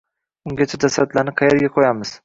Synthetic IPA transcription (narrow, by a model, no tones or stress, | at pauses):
ʊŋɡʲat͡ʃʰad͡ʒasɾat̪lanɪqʰɑjeɾɡʲaqʰojamɪz̥